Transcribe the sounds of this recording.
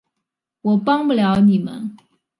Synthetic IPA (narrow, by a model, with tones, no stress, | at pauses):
wɔ˨˩pɑ˥ŋpu˥˩ljɑ˧˥ʊni˨˩mə̰˦n